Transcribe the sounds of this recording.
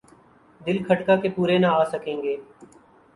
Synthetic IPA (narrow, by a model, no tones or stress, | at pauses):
d̪ɪlkʰəʈkaːkeːpuːɾeːnaaːsəkẽːŋɡeː